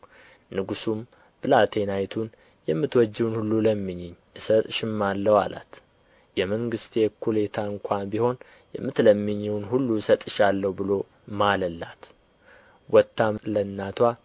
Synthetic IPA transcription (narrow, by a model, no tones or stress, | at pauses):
nɨɡusum | b̥ɨlat̪ʰe̞najt̪ʰun | jɛmːɨt̪wɔd͡ʒːɪwnhulːuləmːɨɲːɪɲːʔɨsət̪ʼʃɪmːalːəwa̰la̰t̪ | jɛməŋɡɨst̪jekʰule̞t̪ʰaɨŋkʷʰabiho̞n | jɛ̰mːɨt̪ləmːɨɲːɛwnɦulːusət̪ʼɨʃalːəwbɨlo̞ | maləlːat̪ | wɔt̪ːamlənːat̪ʰwa